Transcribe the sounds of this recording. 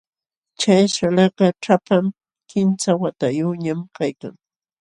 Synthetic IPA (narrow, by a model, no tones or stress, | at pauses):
t͡ʃajʃalɑqɑʈ͡ʂapam | kɪnt͡sawat̪ajuɲamkajka̰ŋ